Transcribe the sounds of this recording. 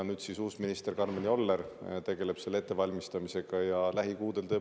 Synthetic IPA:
nyːd̪̥sisuːsminist̪e̞rkɑrmenio̞lːert̪e̞ɡe̞le̞b̥se̞lːe̞t̪ːe̞vɑlʲmist̪ɑmise̞ɡ̥ɑjɑlæɦikuːd̪̥e̞lt̪ɤ

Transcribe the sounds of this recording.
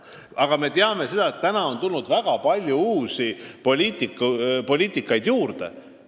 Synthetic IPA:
ɑɡ̥ɑme̞t̪eɑme̞se̞d̪ɑet̪ːænɑo̞nt̪ulnud̪væɡ̥ɑpɑlʲjuuːsipo̞lʲiːt̪ˑikːˑupo̞lʲiːt̪ˑikːˑɑjd̪̥juːrd̪̥e̞̰

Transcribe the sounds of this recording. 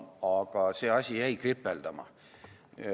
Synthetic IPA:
ɑɡ̥ɑse̞ːɑsʲijæjkripːˑeld̪̥ɑmɑ̰

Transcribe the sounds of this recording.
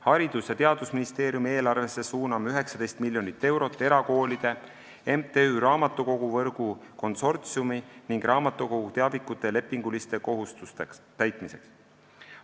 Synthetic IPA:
hɑɾid̪̥usjɑt̪e̞ɑd̪̥usminist̪eːɾjumie̞ːlɑrve̞sːe̞suːnɑmyɦe̞ksɑd̪e̞jst̪milʲjo̞nit̪ːe̞wɾo̞t̪ˑːe̞ɾɑko̞ːlid̪̥e̞ | emt̪eyɾɑːmɑt̪ːˑuko̞ɡ̥uvɤrɡ̥uko̞nso̞rt̪siuminiŋɡ̥rɑːmɑt̪ːˑuko̞ɡ̥ut̪eɑvikːˑut̪ːˑele̞pːˑiŋɡ̥ulist̪e̞ko̞ɦust̪ust̪ekt̪æjt̪ˑmise̞̰ks

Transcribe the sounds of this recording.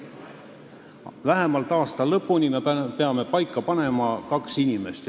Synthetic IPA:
væɦe̞mɑlt̪ːˑɑːst̪ɑlɤpːunimepe̞ɑme̞pɑjkːˑɑpɑne̞mɑkɑksinʲime̞st̪

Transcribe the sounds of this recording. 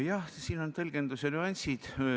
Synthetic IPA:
jɑhsiːno̞nt̪ɤlɡ̥e̞nd̪usenʲyɑnʲsʲid̪̥

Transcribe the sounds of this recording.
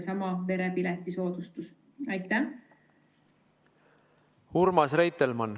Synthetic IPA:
sɑmɑve̞ɾepilɛt̪ːˑiso̞ːd̪̥ust̪us | ɑjt̪ːæ | uɾmɑsrejt̪elmɑn

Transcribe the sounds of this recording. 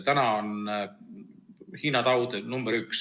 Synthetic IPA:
t̪ænɑon | hiːnɑt̪ɑwd̪̥enumb̥eɾyks

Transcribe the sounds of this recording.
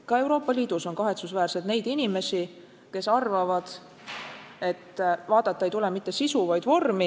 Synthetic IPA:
kɑe̞wɾo̞ːpːˑɑliːd̪̥uso̞nkɑɦe̞t̪susvæːrse̞d̪̥ne̞jd̪inime̞si | ke̞sɑrvɑvɑd̪̥ | e̞t̪ːvɑːd̪̥ɑt̪ːˑɑe̞jt̪ulemit̪ːˑe̞sisuvɑjd̪̥vo̞rmi

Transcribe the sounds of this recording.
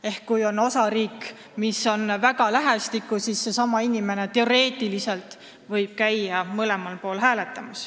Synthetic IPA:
e̞hkːujo̞no̞sɑɾiːk | misːo̞nvæɡ̥ɑlæɦæst̪ikːˑusiːsːe̞sɑmɑinime̞ne̞t̪e̞o̞ɾe̞ːt̪ːˑilise̞lt̪ˑ | vɤ̞jb̥̚kæjːɑmɤle̞mɑlpo̞ːlɦæːle̞t̪ːˑɑmɑs

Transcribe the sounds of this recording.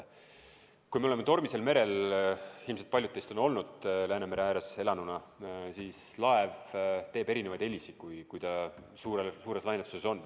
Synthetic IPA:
kujmeole̞met̪o̞rmise̞lme̞ɾe̞l | ilmset̪̚pɑlʲjud̪ejst̪o̞no̞lnud̪̥læːneme̞ɾeæːɾese̞lɑnunɑsiːs | lɑevt̪e̞ːbe̞ɾine̞vɑjd̪̥e̞lʲisi̥kujkujd̪ɑ | suːɾesuːɾe̞slɑjnet̪u̥se̞so̞nː

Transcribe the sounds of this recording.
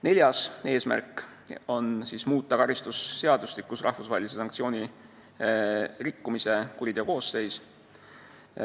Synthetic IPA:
ne̞lʲjɑse̞ːsmæ̰rkːˑo̞nsismuːt̪ˑːɑkɑɾist̪usːe̞ɑd̪ustlikːusrʔɑ̰hfusvɑːhelis̬e̞sɑŋkt̪sio̞ːnʲi | rikːumise̞kuɾid̪̥eko̞ːsːe̞js

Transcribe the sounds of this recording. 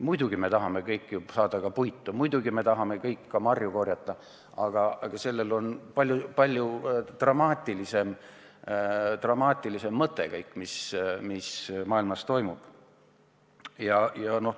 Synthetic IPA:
mujd̪uɡ̥ime̞t̪ɑɦɑme̞kɤjkːˑjusɑːd̪̥ɑkɑpujt̪ːumujd̪uɡime̞t̪ɑɦɑme̞kɤjkːɑmɑrjuko̞rjɑt̪ˑːɑ | ɑɡ̥ɑɑɡ̥ɑse̞lːe̞lo̞npɑlʲjupɑlʲjut̪rɑmɑːt̪ʲːˑilise̞m | t̪rɑmɑːt̪ʲːˑilise̞mːɤt̪ːˑe̞̰kɤjkːˑmismismɑːilmɑst̪o̞jmub̥ | jɑjɑno̞

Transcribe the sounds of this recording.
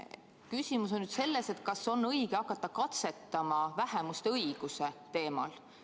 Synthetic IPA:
kysʲimus̬o̞nnyd̪̥se̞lːe̞se̞t̪̚kɑso̞nːɤiɡ̥eɑkːˑɑt̪ːɑkɑt̪se̞t̪ːˑɑmɑvæhɛmust̪eɤiɡ̥use̞t̪e̞ːmɑ̰l

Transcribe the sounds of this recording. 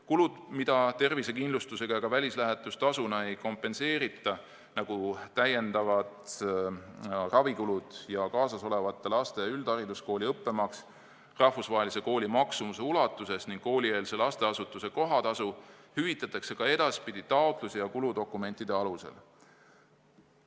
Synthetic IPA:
kulud̪̥mid̪̥ɑt̪e̞rvise̞kinlust̪use̞ɡɑjɑɡ̥ɑvælʲislæɦet̪ːˑust̪ɑsunɑe̞jko̞mpːˑe̞nse̞ːɾit̪ˑːɑ | nɑɡ̥ut̪æje̞nd̪ɑvɑd̪ | rɑvikulud̪̥jɑkɑːsɑso̞le̞vɑt̪ːelɑst̪e̞yld̪̥ɑɾid̪usko̞ːlʲiɤpːe̞mɑks | rɑhfusvɑɦelise̞ko̞ːlʲimɑksumuse̞ulɑt̪ːˑuse̞sniŋɡ̥ko̞ːlʲie̞ːlse̞lɑst̪e̞ɑsut̪ːˑuse̞ko̞ɦɑt̪ɑsuhyvit̪ːˑɑt̪ːˑɑkse̞kɑe̞d̪̥ɑspid̪̥ʲit̪ɑot̪ˑlusijɑkulud̪o̞kːˑume̞nʲt̪ːˑid̪e̞ɑluse̞̰l

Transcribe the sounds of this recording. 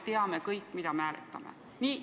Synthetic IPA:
t̪eɑmekɤjkˑːmid̪ɑmæːlḛt̪ːˑɑmḛ | ni

